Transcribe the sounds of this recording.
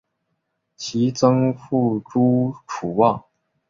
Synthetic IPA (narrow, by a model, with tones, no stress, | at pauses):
t͡ɕʰi˧˥t͡sɤ˥ŋfu˥˩ʈ͡ʂu˥ʈ͡ʂʰu˨˩wɑ˥˩ŋ